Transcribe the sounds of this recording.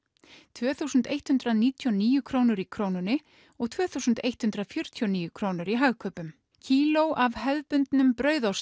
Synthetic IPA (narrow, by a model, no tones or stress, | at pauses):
t̪ʰvɛːθuːsʏnt̪ejht̪hʏnt̪ɾaðniːt̪ʰjɔniːjʏkʰɾownʏɾikʰɾoːwnʏnɪ | ɔɣt̪ʰv̥œːθuːsʏnt̪ejht̪hʉnt̪ɾaðfjʏɾ̥t̪ʰjɔniːjʏkʰɾoːwnʏɾiɦaɣkʰœːpʏm | cʰiːlowʔavhɛlpʏnt̪nʏmpɾœːɥðaws